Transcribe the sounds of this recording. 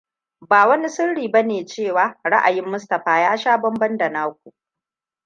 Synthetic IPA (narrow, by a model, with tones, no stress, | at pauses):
baː˨wɐ˦ni˦sɪ˦rɽiː˨bɐ˦neː˨t͡ʃeː˦˨waː˦ɾa̰˦ʔa˨jɪ˦mːʊ˦stɐ˨ɸaː˦jaː˦ʃaː˦bɐ˦mbɐ˦ndɐ˨naː˦kʷu˨ʔ